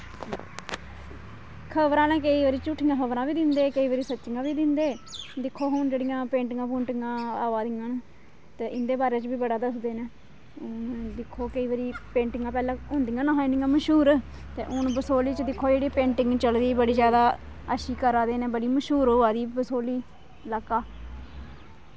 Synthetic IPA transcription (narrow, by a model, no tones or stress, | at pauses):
kʰəbɾãːnɛ̃ːkəiːʋaːɾiːt͡ʃʊːʈʰːɪjãːkʰəbɾãːbiːd̪ɪnd̪eːkəiːʋaːɾiːsətːʃɪŋãːʋiːd̪ɪnd̪eːd̪ɪkʰːoːɦʊnd͡ʒeːɽijãːpẽːɳʈɪŋɡãːpoːɳʈɪŋɡãːaːʋaːd̪ɪjãːn | t̪eːɪnd̪eːbaːɾeːt͡ʃbiːbəɽaːd̪əsd̪eːnẽː | d̪ɪkʰːoːkəiːʋaːɾiːpẽːɳʈɪŋɡãːpɛːlãːɦʊnd̪ijãːnãːɦaːĩnd̪ijãːməʃuːɾ | t̪ḛːʔʊnbəsoːliːt͡ʃəd̪ɪkʰːoːd͡ʒeːɽiːpẽːɳʈɪ̃ŋɡt͡ʃəld̪iːbəɽiːzjaːd̪aː | əʃiːkəɾaːd̪eːnẽːbəɽiːməʃɦuːɾoːaːd̪iːbəsoːliː | ləkːaː